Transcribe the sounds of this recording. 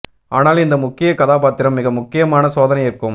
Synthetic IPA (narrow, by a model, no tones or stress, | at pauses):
aːnaːlɪnd̪ɐmʊkːɪjɐkɐðaːpaːt̪ɪɾɐmːɪɣɐmʊkːɪjɐmaːnɐsoːðɐnɐɪjɪrkɯm